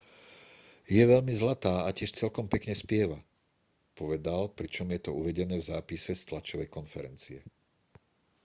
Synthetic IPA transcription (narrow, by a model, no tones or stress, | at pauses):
jɛʋɛʎmizlat̪aːacɪɛʃt͡sɛlkɔmpɛkɲɛspɪɛʋa | pɔʋɛd̪alpɾit͡ʃɔmjɛt̪ɔuʋɛɟɛnɛːvzaːpisɛst̪lat͡ʃɔʋɛjkɔnfɛɾɛnt͡siɛ̰